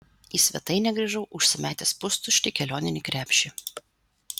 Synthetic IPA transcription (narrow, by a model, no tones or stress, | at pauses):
iːsʲʋʲɛ̰t̪ɐɪnʲɛɡɾʲɛʒɐʊʔʊʃʲsʲɪmʲæːt̪ʲɛspʊst̪ʊʃʲt̪ʲɪkʲɛlʲoːnʲɪnʲɪkɾʲæːpʲʃʲɪ